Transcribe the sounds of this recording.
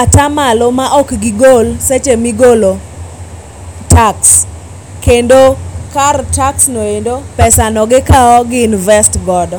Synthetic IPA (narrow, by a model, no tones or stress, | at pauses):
atamalomaʔɔkɡɪɡolset͡ʃemiɡolo | taks | kendokartaksnoendopɛsanɔɡɪkaɔɡɪnvɛstɡɔdɔ